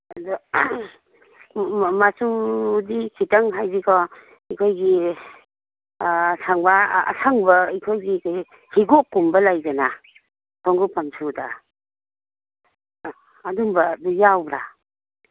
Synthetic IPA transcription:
adɔ | masudikʰitaŋɦajbikʰɔ | ikʰojɡi | sʰaŋba̰ːsʰaŋbɐikʰojɡi | hiɡokːumbɐlajɡana | tʰɔŋɡupamsʰuda̰ | dumbɐdujawbɾa

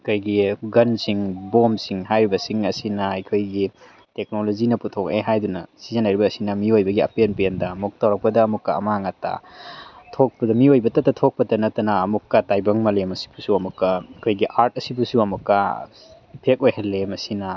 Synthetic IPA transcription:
ikʰojɡiɡɐnsiŋbomsiŋɦajɾibɐsiŋɐsinɐɐjkʰojɡi | tek̚nolozinɐputʰokḛɦajdunɐ̰sizanajɾibɐːsinɐmiojbɐɡiɐ̰penpendɐɐmuk̚tɐwɾɐk̚pɐdɐːmukːɐɐ̰maŋata̰ | tʰok̚pɐdɐmiojbɐtɐtːɐtʰok̚pɐtɐnɐtːɐnɐːmukːɐtajbɐŋmɐlemɐsi̥busuɐmukːɐɐkʰojɡiʔaɾt̚ɐsibusuɐmukːɐ | ipʰek̚ojhelːemɐsinɐ

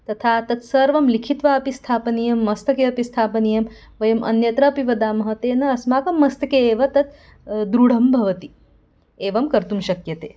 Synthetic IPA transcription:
t̪ɐt̪ʰaːt̪ɐt̪sɐɾʋɐmlikʰit̪ʋaːɐpist̪ʰaːpɐnijɐmːɐst̪ʰɐkeːɐpist̪ʰaːpɐnijɐm | ʋɐjɐmʔɐ̰njɐt̪ɾɐːpiʋɐd̪aːmɐɦɐt̪eːnɐːsmaːkɐmːɐst̪ɐkeːʋɐt̪ɐt̪̚ | d̪ɾuɽ̤ɐmbʱɐʋɐt̪i | eːʋɐmkɐɾt̪umʃɐkjɐt̪eː

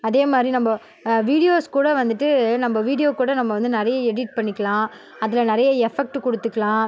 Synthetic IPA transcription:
ɐðeːmaːd̪ɾinɐmbɐ | ʋiːɽɪjoːskuːɽɐʋɐnd̪ɯʈːɯnɐmbɐʋiːɽɪjoːkuːɽɐnɐmːɐʋɐnd̪ɯnɪɾɐjɐɛɽɪʈ̚pɐɳːɪkːɐlãː | ɐðɪlɐnɪɾɐjɐɛfɛk̚ʈɯkɔɽɯt̪ːɯkːɐlãː

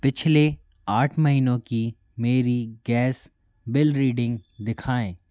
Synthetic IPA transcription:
pɪt͡ʃʰle | aːʈʰmɐɦiːnõki | meːɾiɡɛːs | bɪlɾiːɖɪ̃ŋɡd̪ɪkʰaːẽː

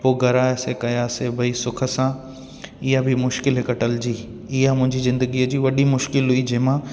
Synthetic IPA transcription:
poːɡʱɐɾaːjsekɐjaːsebʱɐisʊkʰə̆sã | ɪɦabʱɪmʊʃkɪlɦekɐʈəld͡ʑiː | ɪɦamʊ̃ɦɪ̃ɲd͡ʑizɪ̃nd̪əɡiəd͡ʑiːʋɐɗimʊʃkɪlɦuid͡ʑeːmãː

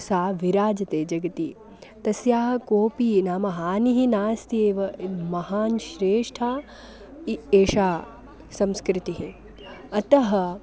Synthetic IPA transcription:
saːʋiɾaːd͡ʒɐt̪eːd͡ʒɐɡɐt̪i | t̪ɐsjaːɦɐkoːpiːnaːmɐɦaːniɦinaːst̪ʰieːʋɐmɐɦaːnʃɾeːʂʈʰaː | ieːʃaː | sɐmskɾɪt̪iɦi | ɐt̪ɐɦɐ̆

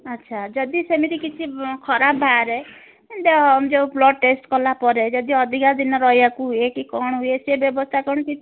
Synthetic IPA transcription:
ʌtːʃʰad͡ʒʌd̪isemiɾikit͡ʃʰikʰɔɾabbʱaɾe | nd̪ed͡ʒeblɔɖ̚ʈesʈkɔlapɔɾed͡ʒʌd̪iʌd̪ʱikad̪inɔɾʌjjakuɦujekikɔɽ̃ɦujesebjʌbɔst̪ʰakɔɳ̃kit͡ʃʰi

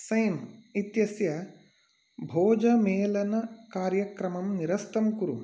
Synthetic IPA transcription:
sɐjmit̪jɐsjɐ | bʱoːd͡ʒɐmeːlɐnɐkaːɾjɐkɾɐmɐmniɾɐst̪ɐmkuɾṵ

